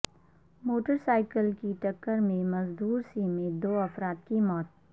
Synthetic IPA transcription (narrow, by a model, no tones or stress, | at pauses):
moːʈəɾsaːɪkəlkiʈɐkːəɾmẽmɐzd̪uːɾsimẽd̪oːɐfɾaːt̪kimɔːt̪̚